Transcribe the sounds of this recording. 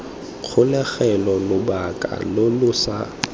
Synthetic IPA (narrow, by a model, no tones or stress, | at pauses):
k͡xʰʊlɛɣɛlɔlʊbakʼa̰lolʊsa